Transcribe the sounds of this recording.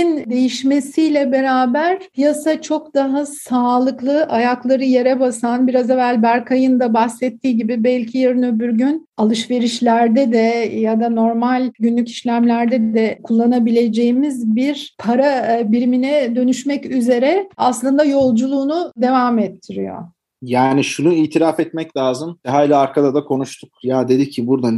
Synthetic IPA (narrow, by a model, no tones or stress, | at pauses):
ind̪e̞jiʃme̞sijlʲɛbe̞ɾaːbæɾpʰijasat͡ʃʰo̞kd̪aɦasaːlˠɯklˠɯʔajaklˠaɾɯje̞ɾɛbasanbiɾazevælʲbæɾkʰajɯnd̪abaxsɛt̪ʰːiːɟibibælʲcʰijeɾɯnøbyɾɟynalˠɯʃve̞ɾiʃlʲæɾd̪ɛd̪ɛjad̪ano̞ɾmalʲɟynlʲyci̥ʃlʲæmlʲæɾd̪ɛd̪d̪ɛkʰulˠːanabilʲe̞d͡ʒe̞jimizbiɾpʰaɾabiɾiminɛd̪ø̞nyʃmɛcyze̞ɾɛaslˠɯnd̪ajo̞lˠd͡ʒulˠuːnud̪e̞vaːmɛt̪ʰːiɾḭjo̞̰ | jaːniʃunuiːt̪ʰiɾʲafɛt̪mɛclʲaːzɯmɦailʲaaɾkʰad̪ad̪akʰo̞nuʃt̪ʰuk̚jad̪e̞d̪icʰːibuɾd̪a